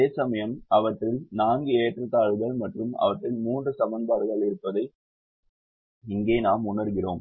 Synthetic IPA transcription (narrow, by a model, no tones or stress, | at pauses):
eːsɐmɐjɐmɐʋɐʈːɪlnaːŋɡɯeːʈrɯt̪ːaːɻɯɣɐɭmɐʈrɯmɐ̰ʋɐʈːɪlmuːndrɯsɐmɐnd̪aːɾɣɐɭɪɾɯpːɐðɐɪ | ɪŋɡeːnaːmʊnɐɾɣɪroːm